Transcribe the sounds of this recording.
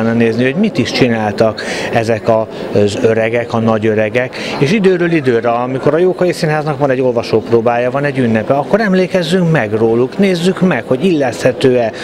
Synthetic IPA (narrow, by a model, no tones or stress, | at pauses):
nːɒneːznio̞ɟmit̪iʃt͡ʃinaːlt̪ɒkɛzɛkɒ | zøɾɛɡɛkɒnɒɟø̞ɾɛɡɛkeːʃid̪øːɾøːlid̪øːɾɛɒmiko̞ɾɒjoːkɒjisiːnɦaːznɒkvɒnɛɟːo̞lvɒʃoːproːbaːjɒvɒnɛɟːynːɛpɛɒkːo̞ɾɛmleːkɛzːyŋkmɛɡroːlukneːzːykmɛkho̞ɟilːɛst̪hɛt̪øːɛ